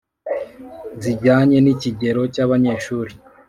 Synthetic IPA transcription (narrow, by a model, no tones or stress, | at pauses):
ziɟaːɲe̞niciɟe̞ɾo̞caβaɲe̞ːʃuːɾi